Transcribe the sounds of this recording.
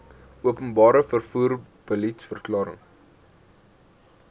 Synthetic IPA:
ʔuəpənbɑːɾəfərfuːr | b̥əlitsfərklɑːɾə̰ŋ

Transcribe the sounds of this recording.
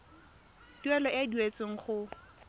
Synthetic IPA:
d̥wɛlɔʔadwet͡sʼɪŋ̩χʊ

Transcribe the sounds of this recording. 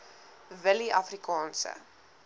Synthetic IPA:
vəliʔɐfrikɑːnsə̰

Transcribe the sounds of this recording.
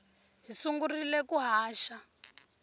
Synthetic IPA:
ɦisuŋɡurilɛkuɦaːʃa

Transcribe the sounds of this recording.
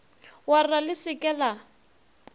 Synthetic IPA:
waralɪsɪkʼɛla

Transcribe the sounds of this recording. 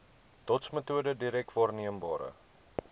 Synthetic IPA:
d̥ɔtsmətuədədiɾɛk̚tvɑːrniəmbɑ̰ːɾə̰

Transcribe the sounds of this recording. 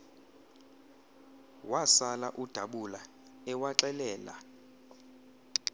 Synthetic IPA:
wasalaʔud̥ʱaɓula | ɛwaǁɛlɛːla̰

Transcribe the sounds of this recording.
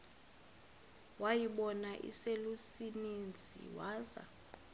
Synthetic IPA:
wajiɓɔnaʔḭselusinend͡zʱḭwaːza̰

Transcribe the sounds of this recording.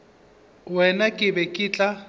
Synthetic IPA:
wɛnakʼɪbɛkʼiːt͡ɬʼa

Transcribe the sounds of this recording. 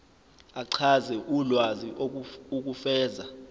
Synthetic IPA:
aǀʰazɛʔulwaziʔouk̬ʼufɛːza

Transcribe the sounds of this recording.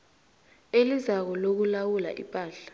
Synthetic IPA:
elizak̬ɔlok̬ulawula̰ʔḭpʼaːɬḁ

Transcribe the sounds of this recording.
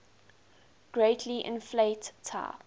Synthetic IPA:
ɡ̥ɹeɪtʰliʔɪ̰̃nfleɪtʰːa̰ɪ

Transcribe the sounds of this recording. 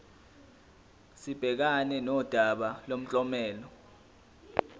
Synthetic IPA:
sib̥ʱɛk̬anɛnɔd̥ʱaɓalom̩t͡ɬʼɔmɛːlɔ

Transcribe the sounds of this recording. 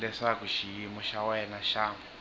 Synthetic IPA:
lɛʂakuʃijimɔʃawɛnaʃaːmu

